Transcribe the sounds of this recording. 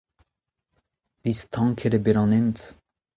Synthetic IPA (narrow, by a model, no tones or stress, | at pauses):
d̪̥ist̪ʰɑŋkʰəɾebeɾɑnɛnt̪